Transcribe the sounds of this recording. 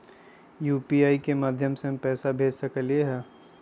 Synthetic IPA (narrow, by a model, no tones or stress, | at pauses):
juːpiːaːikemaːd̪ʱjəmsepɛːsabʱeːd͡ʒsɐkəljeɦɛː